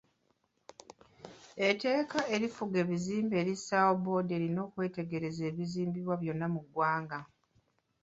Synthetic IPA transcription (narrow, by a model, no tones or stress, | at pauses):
e̞te̞ːkaʔe̞ɾifuɡe̞ːβiziːmbe̞ːɾisawobo̞ːde̞ːɾino̞ːkwe̞ːte̞ɡe̞ɾe̞ze̞ːβiziːmbiβwaβjo̞nːamuɡwaːŋɡa